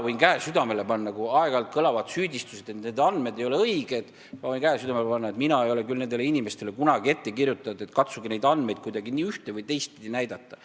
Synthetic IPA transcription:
vɤjnkæesyd̪ɑme̞le̞pɑnːɑkuɑeɡ̥ɑlt̪̚kɤlɑvɑd̪̥syːd̪̥ʲist̪u̥sed̪̥e̞t̪ned̪ɑnd̪me̞d̪e̞jo̞leɤjɡ̥e̞d̪̥ | mɑvɤjnkæesyd̪̥ɑmelepɑnːɑet̪minɑe̞jo̞le̞kylne̞nd̪eleinʲime̞st̪ele̞kunɑɡie̞t̪ːe̞kirjut̪ːˑɑd̪̥e̞t̪kɑt̪suɡine̞jd̪ɑnd̪me̞jd̪̥̚kujd̪ɑɡiniːyht̪evɤjt̪e̞jst̪̚pid̪̥ʲinæjd̪̥ɑt̪ːˑɑ

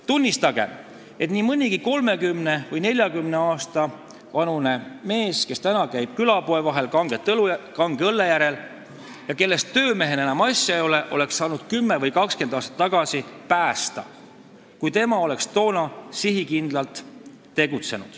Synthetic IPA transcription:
t̪unʲːist̪ɑɡ̥e̞̰ | e̞t̪nimɯnʲiɡ̥iko̞lme̞kymne̞vɤjne̞lʲjɑkymne̞ɑːst̪ɑ | vɑnune̞me̞ːske̞st̪ænɑkæjb̥kylɑpo̞evɑɦe̞lkɑŋɡ̥et̪ːlukɑŋɡ̥ɤlːe̞jæɾe̞l | jɑke̞lːe̞st̪ːø̞ːme̞ɦenenɑmɑsʲjɑejole̞ʔo̞le̞ksːɑːnud̪̥kymːe̞vɤjkɑkske̞nd̪ɑːst̪ɑt̪ːɑɡ̥ɑsipæːst̪ɑ̰ | kujt̪e̞mɑo̞le̞kst̪o̞ːnɑsiɦikind̪̥lɑlt̪ː | e̞ɡ̥ut̪se̞nṵd̪̥

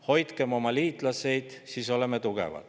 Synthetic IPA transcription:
ho̞jt̪kemo̞mɑliːt̪ˑlɑse̞jd̪̥siːso̞le̞met̪uɡ̥ḛvɑ̰t̪

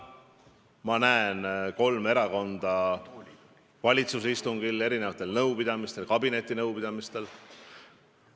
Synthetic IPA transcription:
mɑnæenko̞lme̞ɾɑko̞nd̪̥ɑ | vɑlʲit̪suseist̪uŋɡ̥ile̞ɾinevɑt̪ːˑe̞lnɤwpid̪̥ɑmist̪e̞lkɑbine̞t̪ʲːˑinɤwpid̪ɑmist̪e̞l

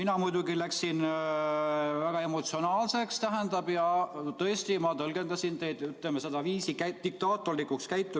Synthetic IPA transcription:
minɑmujd̪uɡilæksin | væɡ̥ɑe̞mo̞t̪sio̞nɑːlse̞kst̪æɦend̪ɑb̥jɑt̪ɤ̞est̪imɑt̪ɤlɡ̥e̞nd̪ɑsʲint̪e̞jd̪̥yt̪lemese̞d̪̥ɑviːsid̪ik̚t̪ɑːt̪ːˑorikukskæjt̪ːˑu

